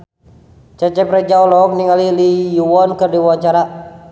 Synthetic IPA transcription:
t͡ʃɛt͡ʃɛpɾɛd͡ʒaɔlɔk̚niŋalilijuwɔnkɨrdiwwaɲt͡ʃaɾa

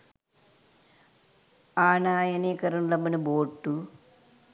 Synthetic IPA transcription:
aːɳaːjɐnekɐɾɐnlɐmɐnɨboːʈːu

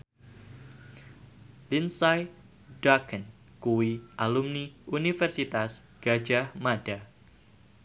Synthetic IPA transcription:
linsaj | dakən | kuwiʔalumniunifɛrsit̪asɡ̥ad͡ʒahmad̥a

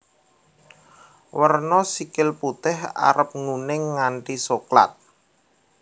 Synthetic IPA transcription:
wərnɔsikɪlput̪ɪha̰ɾəp̚ŋunɪŋːaɳʈisokla̰t̪̚

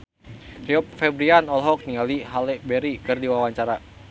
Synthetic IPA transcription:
ɾiɔp̚fɛbɾianɔlɦɔk̚niŋaliɦalɛbɛɾikɨrdiwawaɲt͡ʃaɾa

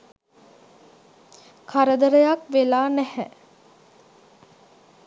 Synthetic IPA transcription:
kʰaɾəd̪əɾəjakʋelaːnæhɛ

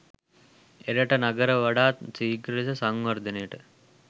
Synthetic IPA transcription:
eɾəʈənaɡəɾəʋaɖaːt̪siːɡɾesəsaŋʋɐɾd̪ənejəʈə

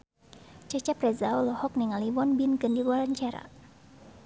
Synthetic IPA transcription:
t͡ʃət͡ʃaprɛzaolɔhɔk̚niŋaliwɔnbinkɨndiluaɾaɲt͡ʃaɾa̰

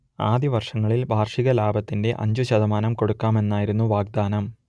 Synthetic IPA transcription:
aːd̪iʋɐrʂɐŋːɐɭilbʱaːrʂiɣɐlaːbʱɐt̪ːinde̞ʔɐ̰ɲd͡ʑuɕɐðɐmaːnɐmko̞ɽukːaːme̞nːaːjiɾunːuʋaːɡ̚d̪aːnɐm

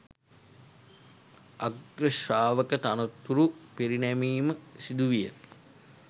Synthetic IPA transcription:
aɡɾəʃaːʋəkət̪anot̪ːuɾupiɾinæmiːməsid̪uʋijə̰

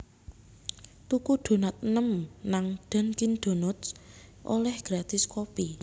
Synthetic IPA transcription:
t̪ukuɖ̪̥o̤nat̪̚nəmnaŋɖ̪̥a̤nkind̪̥o̤nʊt̪sʔo̰lɛhɡ̥ɾad̪̥ɪskopi

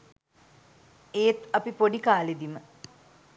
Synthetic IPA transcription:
eːt̪ɐpipoɖikaːled̪imə

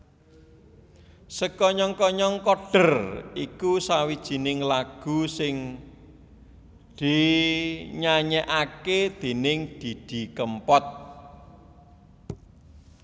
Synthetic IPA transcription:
səkɔɲɔŋkɔɲɔŋkɔɖ̥ə̤rikusawid̥ʒ̥i̤nɪŋlaɡ̥ṳsɪŋ | d̪̥i̤ | ɲaɲɛʔaked̪̥e̤nɪŋd̪̥id̪̥i̤kəmpɔt̪̚

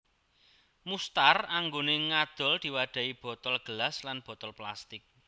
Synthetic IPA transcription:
must̪araŋɡoneŋad̪̥ɔ̤ld̪̥i̤waɖ̪̥a̤ib̥ɔ̤t̪ɔlɡ̥əlaslanb̥ɔ̤t̪ɔlplast̪ɪk̚

